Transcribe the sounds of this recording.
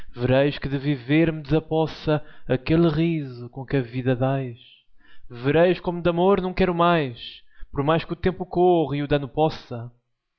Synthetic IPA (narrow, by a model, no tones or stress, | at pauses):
vɨɾɐjʃkɨðɨviveɾmɨd̪zɐpɔsɐɐkelˠʁizukõkɐviðɐðajʃ | vɨɾɐjʃkomud̪ɐmoɾnɐ̃w̃kɛɾumajʃpɔɾmajʃkut̪ẽmpukoʁiuðɐnupɔsɐ